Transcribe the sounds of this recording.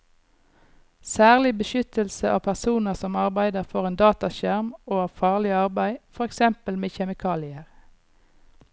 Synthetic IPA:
sæːʁlɪbəʃʏt̪əlsəʔɑ̰ːpʰæʁsuːnəʁsɔmɑʁbæɪd̪əʁfoːʁeːnd̪ɑːt̪ɑʃæʁmoːɑːʋfɑːʁlɪɑʁbæɪfɔʁɛksɛmpəlmeːçɛmɪkʰɑːlɪəʁ

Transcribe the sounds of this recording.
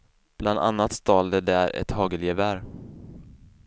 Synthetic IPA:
b̥land̪a̰nːat̪st̪ɑːld̪əd̪æɾɛ̰t̪hɑːɡəljɛvæɾ

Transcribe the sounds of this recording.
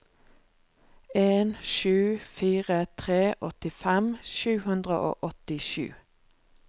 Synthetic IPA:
eːnʃʉːfiːʁət̪ʰʁeːʔɔt̪ɪfɛmʃʉːhʉnd̪ʁə̰ʔo̰ːʔɔt̪ɪʃʉ̰ː

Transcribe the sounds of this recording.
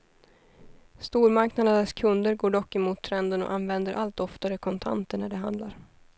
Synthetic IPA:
st̪uːɾmaɾknad̪ənd̪əskʰɵnd̪əɾɡoːɖɔkːɛmuːt̪ʰːɾɛnd̪ənɔ̰ʔanːvɛnd̪əɾʔalt̪ɔft̪aɾəkʰɔnt̪ʰa̰nt̪əɳæɖɛɦa̰nd̪laɾ

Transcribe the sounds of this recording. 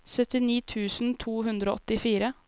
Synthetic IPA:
sœt̪ɪniːt̪ʰʉːsn̩t̪ʰuːɦʉnd̪ɾoʔɔt̪ɪfiːɾə

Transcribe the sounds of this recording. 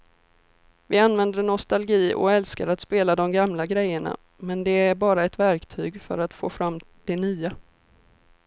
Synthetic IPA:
vɪanːvɛnd̪əɳɔst̪alɡiːɔ̰ɛlskaɾat̪speːlad̪ɔmɡamlaɡɾɛjːəɳa̰ | mɛnd̪ɛæɾbɑːɾaɛt̪væɾkt̪ʰyːɡfœ̰ɾat̪foːfɾamːd̪̥ɛnyːa

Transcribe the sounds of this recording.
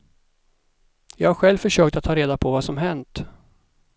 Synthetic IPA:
jɑːɡhaɾɧɛlvfœʂøːk̚t̪at̪ʰhɑːɾeːd̪apʰɔvasɔmɦɛnt̪

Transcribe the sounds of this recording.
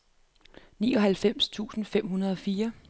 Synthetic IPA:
niːɒ̽ɦælfem̰st͡sʰṵːsn̩fem̰ɦunɐð̞ˠɒ̽fiːɐ

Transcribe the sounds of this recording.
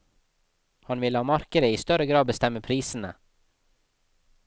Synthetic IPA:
hɑnʋɪləhɑːmɑɾkəɾəiːst̪œɾəɡɾɑːd̪bəst̪ɛməpʰɾiːsn̩ə̰

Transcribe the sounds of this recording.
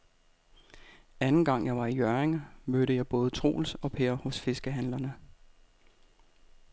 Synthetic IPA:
ænn̩ɡ̥ɑ̈ŋ̰jɑ̈ɪʋɑ̈ijœɐeŋmøɾəjɑ̈ɪb̥ɔ̽ːð̞ˠət͡sʰʁo̝̰ːlsɒ̽pʰeɐhɔ̽sfe̝sɡ̥əɦænlɐnə

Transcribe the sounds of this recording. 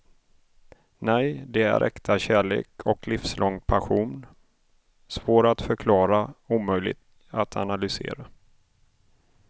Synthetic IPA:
nɛjd̪ɛæ̰ɾʔɛ̰kt̪ʰaɕæːɭḛːkʰɔklɪfslʔɔŋpʰaɧuːn | svoːɾat̪fœɾkʰlɑːɾauːmœjlɪ̰ɡt̪ | at̪ʰa̰nalʏsḛːɾa

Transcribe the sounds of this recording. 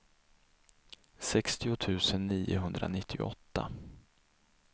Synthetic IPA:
sɛkst̪ɪʊt̪ʰʉ̟ːsənːiːʊɦɵnd̪ɾa̰nɪt̪ʰːɪɔ̰t̪ːa̰

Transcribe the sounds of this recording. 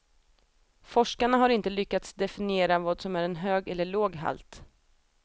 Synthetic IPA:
fɔʂkaɳaɦaɾɪnt̪əlʏkːat̪sd̪ɛfɪnɪeːɾavɑːd̪sɔmæɾɛnɦøːɡɛlːəɭoːɡɦa̰lt̪

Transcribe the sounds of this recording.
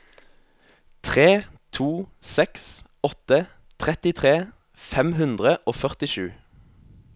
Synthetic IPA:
t̪ʰʁeːt̪ʰuːsɛks | ɔt̪ə | t̪ʰʁɛt̪ɪt̪ʰʁeː | fɛmhʉnd̪ʁəʔoːfœʁt̪ɪʃʉː

